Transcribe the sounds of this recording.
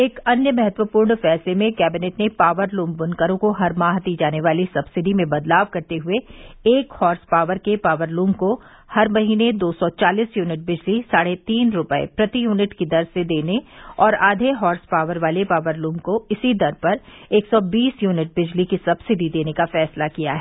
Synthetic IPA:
eːkɐnjəmɛɦət̪wəpuːɾɳfɛːslemẽkɛːbɪnɛːʈnepaːʋəɾlũːmbʊnkəɾõkoɦɐɾmaːɦd̪iːd͡ʒaːneʋaːlisɐbsɪɖimẽbɐd̪laːʋkɐɾt̪eɦʊeeːkhɔːɾspaːʋəɾkepaːʋəɾlũːmko | hɐɾmɐɦiːned̪oːsɔt͡ʃaːliːsjuːnɪʈ̚bɪd͡ʒlisaːɽet̪iːnɾʊpəḛpɾɐt̪ijuːnɪʈkid̪ɐɾsed̪eːneɔːɾaːd̪ʱeɦɔːɾspaːʋəɾʋaːlepaːʋəɾluːmkoɪsid̪ɐɾpɐɾeːksɔbiːsjuːnɪʈ̚bɪd͡ʒlikisɐbsɪɖid̪eːnekafɛːslakijaɦɛː

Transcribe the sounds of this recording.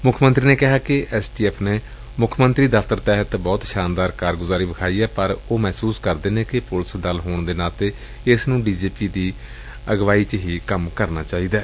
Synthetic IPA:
mʊkʰmənt̪ɾiːneːkɪɦaːkɪʔɛːsʈiːɛːpʰneː | mʊkʰmənt̪ɾiːd̪əfʰt̪əɾt̪ɛːɦət̪bɔːt̪ʃaːnd̪aːɾkaːɾɡʊzaːɾiːʋɪkʰaːiːɛːpəɾoːmɛːsuːskəɾd̪eːneːkɪpʊlsd̪əlɦoːɳd̪eːnaːt̪eː | ɪsnũːɖiːd͡ʒiːpiːd̪iː | əɡʋaːiːt͡ʃɦiːkəmkəɾna̰ːt͡ʃaːiːd̪aː

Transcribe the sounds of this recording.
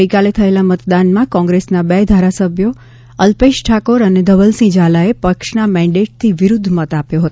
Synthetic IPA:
əjkalet̪ʰəelamət̪d̪anmãkɔ̃ŋɡɾesnabɛd̪ʱaɾasəbʱjo | əlpeʃʈʰakoɾəned̪əʋəlsĩd͡ʒalaepəkʂnamɛ̃ɳɖeʈ̚t̪ʰiʋɪɾʊd̪ʱːmət̪apjoɦət̪o

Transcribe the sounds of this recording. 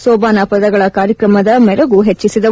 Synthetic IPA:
sɔːbaːnɐpɐd̪ɐɡɐɭɐkaːɾjɐkɾɐmɐd̪ɐmɛɾɐɡuɦet͡ʃːisid̪ɐ

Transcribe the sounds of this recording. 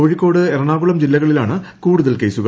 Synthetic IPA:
oːɻikːo̞ːɽɨeɾɐɳaːɣuɭɐmd͡ʑilːɐɣɐɭilaːɳɨ | kuːɽuðɐlkeːsuɣɐ

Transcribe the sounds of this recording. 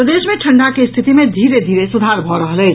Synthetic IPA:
ɾəd̪esmeʈʰəɳɖakest̪ʰit̪imẽd̪ʱiɾed̪ʱiɾesud̪ʱaɾbʱɔɾəɦəlɛt͡ʃ

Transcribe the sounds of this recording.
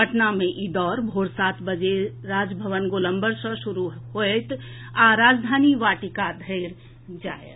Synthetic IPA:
əʈnamẽʔid̪ɔːɾbʱoːɾsaːt̪ʰbəd͡ʒe | ɾaːd͡ʒbʱəʋənɡolə̃mbəɾsə̃ʃuɾuɦoet̪ | aɾaːd͡ʒd̪ʱaːniʋaːʈikad̪ʱəɪɾ | d͡ʒa̰ːe

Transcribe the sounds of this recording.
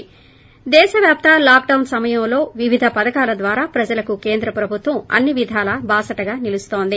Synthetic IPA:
d̪ɛːʃɐʋjaːp̚t̪ɐlaːkɖɐwnsɐmɐjɐmlo̞ːʋiʋid̪ʱɐpɐd̪ɐkaːlɐd̪ʋaːɾaːpɾɐd͡ʒɐlɐkukeːnd̪ɾɐpɾɐbʱut̪ʋɐmɐ̰nːiʋid̪ʱaːlɐbaːsɐʈɐɡaːnilust̪o̞ːnd̪i

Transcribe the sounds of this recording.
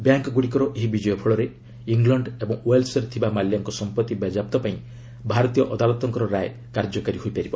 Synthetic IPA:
bjaŋkɔɡuɽikɔɾɔʔeɦibid͡ʒɔjɔpʰɔɭɔɾe | iŋɡlɔɳɖebɔŋwelsɔɾet̪ʰibamaljaŋkɔsɔmpɔt̪ːibad͡ʒap̚t̪ɔpaĩ | bʱaɾɔt̪ijɔʔɔd̪alɔt̪ɔŋkɔɾɔɾaj | kaɾd͡ʒɔkaɾiɦoijpaɾibɔ

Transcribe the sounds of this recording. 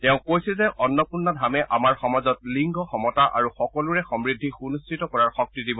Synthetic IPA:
tɛʊ̃kojsilzɛʔɔnːɔpuɹnːɔdʱamɛʔamaɹxɔmazɔt̚liŋɡʱɔxɔmɔtaʔa̰ɹuxɔkɔluɹɛxɔmɹidʱːixunustʰitɔkɔɹaɹxɔk̚tidibɔ

